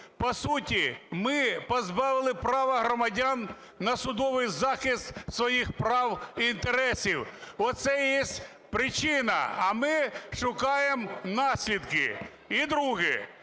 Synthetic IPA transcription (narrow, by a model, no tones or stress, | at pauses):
pɔsutʲimɪpɔzbɑʋɪlˠɪpɾɑʋɐɦɾɔmɐdʲanː | ɐsʊd̪ɔʋɪjzɑxɪst̪sʋɔjixpɾɑwint̪eɾɛsʲiwɔt̪sɛjɛsʲtʲ | pɾɪt͡ʃɪnɐ̰ɐmɪʃʊkɑjemnɑsʲlʲid̪kɪ̰ | id̪ɾuɦɪ